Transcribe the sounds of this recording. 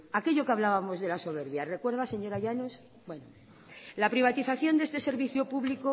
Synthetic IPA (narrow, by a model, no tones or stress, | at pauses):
ake̞ʝo̞keaβ̞laβamo̞zðelaso̞β̞e̞ɾβjare̞kwe̞ɾð̞ase̞ɲo̞ɾaʝanos | bwe̞no | lapɾiβ̞at̪iθaθjo̞nd̪eest̪e̞se̞ɾβiθjopuβliko